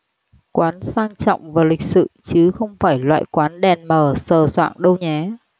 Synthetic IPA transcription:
kwaː˨˦nsaː˧ŋt͡ɕɔ̰˧˨wŋ͡mvaː˨˩lï˨˩k̟̚sɨ̰˧˨t͡ɕɨ˨˦xə˧wŋ͡mfaː˧˩jlwa̰ː˧˨jkwaː˨˦nɗɛ˨˩nməː˨˩səː˨˩swa̰ː˧˨ŋɗə˧wɲɛ˨˦

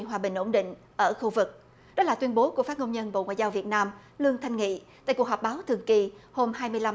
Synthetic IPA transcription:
ənɦwaː˨˩ɓï˨˩ŋ̟ʔo˧˩ŋ͡mɗḭ̈˧˨ŋ̟ | ʔəː˧˩xu˧vɨ˨˩k̚ | ɗɔ˨˦laː˨˩t̪wi˧ənɓo˨˦ku˧˩əfaː˦˥t̚ŋə˧wŋ͡mɲə˧nɓo̰˧˨ŋwa̰ː˧˨zaː˧wvi˨˩ət̚naː˧m | lɨ˧əŋt̪ʰa˧jŋ̟ŋḭ˧˨t̪a̰ː˧˨ku˩k̚ɦɔ˨˩k͡p̚ɓaː˨˦wt̪ʰɨ˨˩əŋki˧˩ho˧mhaː˧jmɨ˧əjla˧

